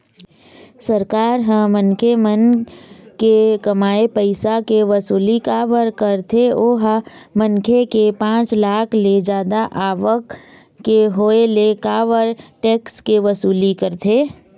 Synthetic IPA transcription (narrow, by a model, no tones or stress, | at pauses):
səɾkaːɾɦə̃mənkʰemən | kekɐmaːepəɪsakeʋɐsuːlikaʋəɾkəɾt̪ʰeoːɦamənkʰekepãːt͡ʃlaːkʰled͡ʒaːd̪aʔaːʋəkː | eɦoːelekaːʋəɾʈeːkskeʋəsuːlikəɾt̪ʰeː